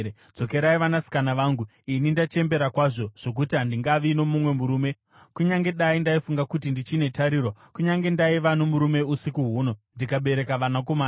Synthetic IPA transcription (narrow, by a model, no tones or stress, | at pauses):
d͡zo̞ke̞ɾaiʋanasi̥kanaʋaːŋɡu | inindat͡ʃe̞mbe̞ɾakwaʐo̞ʐ̥o̞k̬utiɦandiŋɡaʋino̞mumwe̞muɾuːme̞ | kuɲaŋɡe̞ɗaindaifuŋɡakutindit͡ʃine̞taɾiːɾokuɲaŋɡe̞ndaiʋanomuɾume̞usikuɦuːno̞ndikaɓe̞ɾe̞kaʋanakomaːn